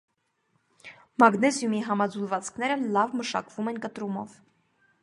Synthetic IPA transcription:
mɑɡnɛzjumiɦɑmɑd͡zulvɑt͡skʰnɛɾəlɑvməʃɑ̰kv̥umɛnkət̪ɾumɔ̰v

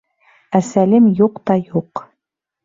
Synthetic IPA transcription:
æsælɘmjuqt̪ɑjuq

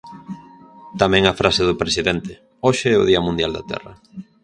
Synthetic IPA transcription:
t̪amɛ̃ŋafɾaseðʊpɾesiðɛnt̪ɪ | oʃeɛʊ̰ðiɐmũnd̪jald̪a̰t̪ɛ̰rɐ̰

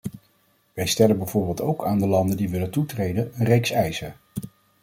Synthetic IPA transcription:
ʋɛjstɛlənbɛjvʊːɹbɪːlˠtowkʰaːndəlɑndəndiʋɪləntutrejdənənrejksɛjzə

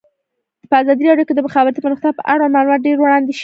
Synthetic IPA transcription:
pəazɑd̪iɾɑɖjoked̪əmʊxɑbat̪ipənʊxt̪apəʔaɽwamɑlumɑt̪̚ɖeɾwɽɑnd̪eʃ

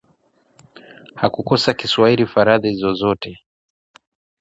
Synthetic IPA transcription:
hakukɔsakiswahilifaɾaðiizɔzɔtɛ

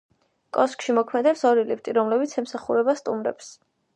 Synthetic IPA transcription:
kʼɔskʼʃimɔkʰmɛd̪ɛpsɔɾilipʰt̪ʼiɾɔmlɛbit̪sʰɛmsaχuɾɛbast̪ʼumɾɛ̰ps

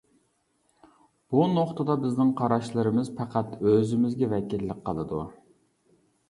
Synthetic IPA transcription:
b̥unoχt̪ɨd̪ɑbɪznɪŋqʰɑɾɑʃlˠɨɾɨmɪzpʰæqʰæt̪øzɪmɪzɡʲɛvɛkʲilːɪkʲqːəlˠɨd̪ṵ

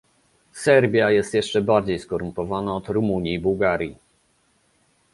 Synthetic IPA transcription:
sɛɾbʲjajɛst̪jɛʂt͡ʂɛbaɾd͡ʑejskɔɾumpɔvanaɔt̪ɾumuɲiːbuwɡaɾʲji

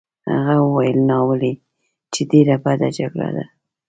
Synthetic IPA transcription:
ha̰ɣawəwajəlnɑwəli | t͡ʃed̪eɾabad̪ad͡ʒaɡɽa̰d̪a

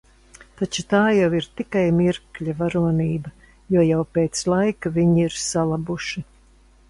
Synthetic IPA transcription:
t̪at͡ʃut̪aːjawiɾt̪ikajmiɾkʎʲavaɾuɔniːbɐ | juɔjawpeːt̪slˠajkaviɲiiɾsalˠabuʃi

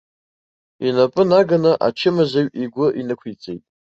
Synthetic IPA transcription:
inapʼɨnaɡanɨʔa̰t͡ʃʰɪmazaɥiɡʷʊʔinɨkʷʰit͡sʼḛjtʼ

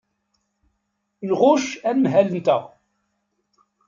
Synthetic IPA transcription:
lʁʊʃænmɦælənt̪əʁ

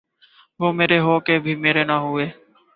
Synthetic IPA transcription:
ʋoːmeːɾeːɦoːkeːbʱiːmeːɾeːnaːɦʊeː

